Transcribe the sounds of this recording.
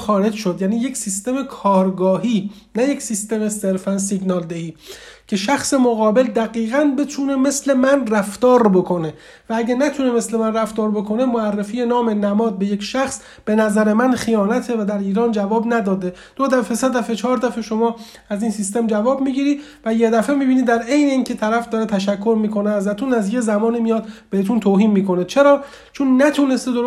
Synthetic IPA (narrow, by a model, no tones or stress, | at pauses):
xɒːɾe̞d͡ʒʃod̪jæːniːje̞cʰsist̪e̞mekʰɒːɾɡɒːɦiː | næjecʰsist̪e̞me̞se̞ɾfænsiɡnɒːld̪ehiːcʰe̞ʃæxse̞moɣɒːbe̞ld̪æɣiːɣænbet̪ʰune̞me̞sle̞mænræft̪ɒːɾbo̞kʰo̞ne̞ | vææɟænæt̪ʰuneme̞sle̞mænræft̪ɒːɾbo̞kʰo̞ne̞moærːefiːjenɒːme̞næmɒːd̪̚be̞je̞cʃæxs | b̥e̞næzæɾe̞mænχijɒːnæt̪ʰe̞væd̪æɾiːɾɒːnd͡ʒævɒːbnæd̪ɒːd̪e | d̪̥od̪æfese̞d̪æfe̞t͡ʃʰɒːɾd̪æfeʃo̞mɒː | æziːnsist̪e̞md͡ʒævɒːbmiːɟiɾi | væjed̪æfe̞miːbiːnid̪æɾe̞jne̞iːncʰe̞t̪ʰæɾæfd̪ɒːɾet̪ʰæʃækʰːo̞ɾmiːkʰo̞neæzæt̪ʰunæzje̞zæmɒːnimijɒːd̪b̥ehet̪ʰunt̪ʰoːɦiːnmiːko̞net͡ʃʰe̞ɾɒː | t͡ʃʰonːæt̪ʰune̞st̪ed̪o